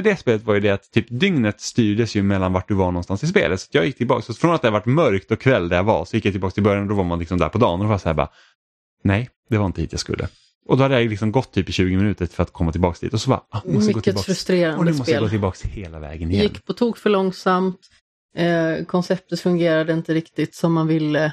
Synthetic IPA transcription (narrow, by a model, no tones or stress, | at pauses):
d̪ɛspeːlət̪vaɾjɵd̪ɛat̪ʰːyːpd̪ʏŋnət̪st̪yːɖəsjɵmɛlːanvaʈ̚ɖɵvaɳɔnst̪ansɪspḛːlət̪sḁt̪jɑːɡjɪkːt̪ʰɪlbɑ̰ːksɔfɾɔnat̪d̪ɛhaɾvaʈːmœɾkt̪ɔkʰːvɛld̪ɛjava̰ɾsɔjɪkːjajt̪ɪlbɑːkst̪ʰɪlbœɾjanɔd̪ɔvaɾmanlɪksɔmd̪æ̰ɾpʰɔd̪ɑ̰ːnɔɔvasahæːbɑ̰ː | nɛj | d̪ɛvaɾɪnt̪əhiːt̪jaskɵ̰lːʔə̰ | ʔɔd̪ɔhad̪ːəjajlɪksɔmɡɔt̪ʰːyːpɪɕʉ̟ːɡəmɪnʉ̟ːt̪əɾfœɾat̪kʰɔmːat̪ʰɪlbɑːksd̪ḭːt̪ɔsɔbɑ̰ɾɑmsmʏɡoːtːɪɛfɾɵst̪ɾeːɾanɔnːmsɔstjaːlɡoːt̪ɪlbɑːksheːlavɛ̰ːɡənɪjjɛɪnːkːpʰɔt̪ʰuːɡfœɭɔŋsamt̪ː | kʰɔnsɛp̚t̪ət̪fɵŋɡeːɾad̪əɪnt̪əɾɪkt̪ɪt̪sɔmːanvɪlːə